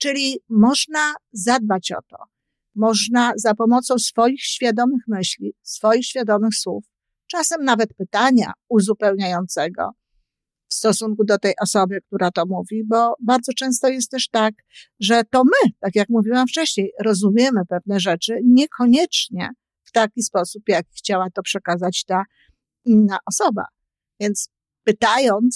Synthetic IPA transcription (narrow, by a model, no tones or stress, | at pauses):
t͡ʂɘlʲimɔʐnazad̪̚bat͡ɕɔ̰t̪ɔ̰ | mɔʐnazapɔmɔt̪sɔ̃w̃sfɔjixɕfʲjad̪ɔmɘxmɘɕlʲisfɔjixɕfʲjad̪ɔmɘxswuf | t͡ʂasɛmnavɛt̪pɘt̪aɲa̰uzupɛwɲajɔnt̪sɛɡɔ̰ | fst̪ɔsuŋkud̪ɔt̪ɛjʔɔsɔbɘk̚t̪uɾat̪ɔmuvʲibɔbaɾd̪zɔt͡ʂɛ̃w̃st̪ɔjɛst̪t̪ːɛʂt̪ak | ʐɛt̪ɔmɘt̪akʲjakmuvʲiwamft͡ʂɛɕɲejɾɔzumʲjɛmɘpɛvnɛʐɛt͡ʂɘɲɛkʰɔɲɛt͡ʂɲɛ̰ | ft̪akʲispɔsupjakʲixt͡ɕawat̪ɔpʂɛkazat͡ɕt̪a | inːaʔɔsɔba̰ | vʲjɛnt̪s | pɘt̪ajɔnt̪s